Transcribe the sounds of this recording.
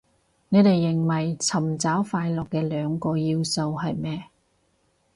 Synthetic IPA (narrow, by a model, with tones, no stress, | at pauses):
ne˨˧t̪e˨jːɪ˨˩ŋwɐ˨˩jt͡sʰɐ˨˩mt͡saː˨˥wfaː˧jlɔː˨kːɛː˧lœː˨˧ŋkɔː˧jiː˧wso˧wɦɐ˨jmɛː˥